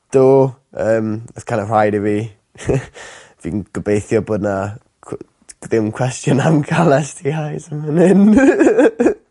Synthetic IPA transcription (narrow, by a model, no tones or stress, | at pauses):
d̥oːəːməθkʰajndər̥ajdivi | vḭːnɡ̥əbejθjɔboːdna | ðɪmkʰw̥ɛstjɔnamkʰalɛstʰihajsamənɪn